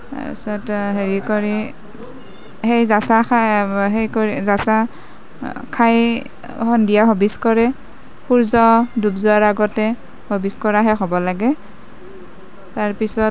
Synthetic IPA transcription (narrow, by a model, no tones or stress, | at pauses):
a̰ḭsɔtɦeɹikoɹi | hejzasaaɦejkoizasa | kʰaj | hɔndijaɦobiskɔɹɛ | xuɹzɔdubzʊaɹaɡɔtɛ | hobiskɔɹaɦɛxɔbɔlaɡɛ | taɹpisɔt